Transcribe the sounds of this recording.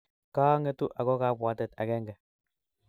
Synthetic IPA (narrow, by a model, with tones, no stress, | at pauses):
kaː˦ŋe˦t̪u˦ʔa˨kɔ˦ka˦pwa˦t̪ɛ˨t̪a̰˨kɛ˦ŋɡɛ˨